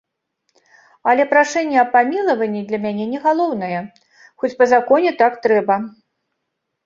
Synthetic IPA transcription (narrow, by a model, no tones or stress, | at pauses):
ɐlʲɛpɾaʂɛnʲːɛɐpamʲilˠɐvɐnʲːid̪lʲɐmʲanʲɛnʲɛɣalˠɔwnɨjɛ | xɔt͡sʲpɐzakɔnʲɛt̪akt̪ɾɛbɐ